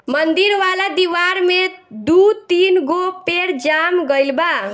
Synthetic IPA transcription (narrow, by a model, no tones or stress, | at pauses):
mʌnd̪iɾwalad̪iwaɾmed̪ut̪inɡopeɾd͡ʒamɡʌjlba